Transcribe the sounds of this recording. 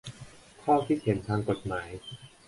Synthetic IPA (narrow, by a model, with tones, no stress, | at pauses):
kʰɔː˥˩kʰiː˥˩he˩˦nt̪ʰaː˧ŋko˨˩t̪̚maː˩˦j